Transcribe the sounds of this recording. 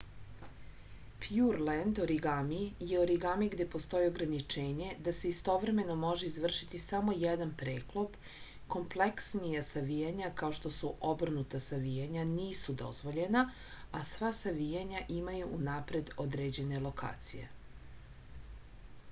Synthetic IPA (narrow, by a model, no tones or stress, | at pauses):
pjuɾlend̪oɾiɡamijeoɾiɡamiɡd̪e̞po̞st̪o̞jio̞ɡɾanit͡ʃeːɲe̞d̪ase̞ist̪o̞ʋɾe̞me̞no̞mo̞ʒe̞izʋr̩ʃit̪isamo̞jed̪anpɾeːklˠop | ko̞mpleksnijasaʋijaɲakao̞ʃt̪o̞suʔobr̩nut̪asaʋijaɲaniːsud̪o̞̰zʋo̞ʎe̞na | asʋasaʋijaɲaʔimajuʔːnaːpɾe̞d̪od̪ɾed͡ʑe̞ne̞lo̞kʰa̰ːt̪sije̞̰